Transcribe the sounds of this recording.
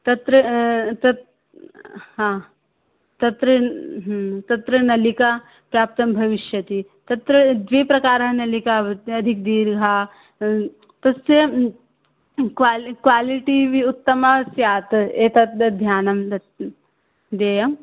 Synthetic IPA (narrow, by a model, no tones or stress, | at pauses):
t̪ɐt̪ɾɐt̪ɐt̪ | ɦãː | t̪ɐt̪ɾɐɦt̪ɐt̪ɾɐnɐlikaː | pɾjaːp̚t̪ɐmbʱɐʋiʃjɐt̪it̪ɐt̪ɾɐd̪ʋeːpɾɐkaːɾɐɐnɐlikaɐd̪ʱik̚d̪iːɾɡʱaː | t̪ɐst̪ɐ | kʋalkʋaːliʈiʋiut̪ːɐmasjaːt̪eːt̪ɐt̪ɐd̪ʱjaːnɐmɐ | d̪eːjɐm